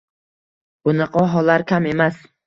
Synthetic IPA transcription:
b̥ʊnɑqʰɒɦɒlaɾkʲame̞mas

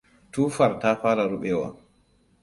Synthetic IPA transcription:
tuːfaɾtaːfaːɾaɾuɓɛwa̰

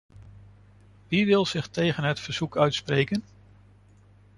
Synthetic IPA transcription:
ʋiʋɪlˠz̥ɪχtejχənɦətfəɹz̥ukœɥtsprejkən

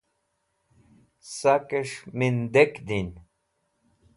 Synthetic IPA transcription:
sakeʂmind̪ekd̪in

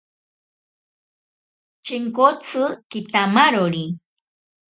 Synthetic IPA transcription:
t͡ʃiŋkot͡sɨkit̪amaɾoɾi

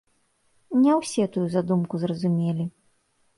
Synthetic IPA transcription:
nʲɛwsʲɛt̪ujuzad̪umkuzrɐzumʲelʲi

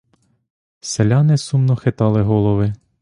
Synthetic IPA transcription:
selʲanɪsumnɔxet̪ɑlˠɪɦɔlˠɔʋɪ

